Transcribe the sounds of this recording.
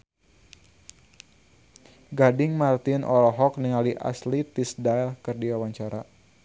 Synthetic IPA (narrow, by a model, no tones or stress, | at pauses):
ɡadɪŋmart̪ɪnʔɔlɔɦɔkniŋaliʔa̰slit̪ɪsdajlkɨrdiwawaɲt͡ʃaɾa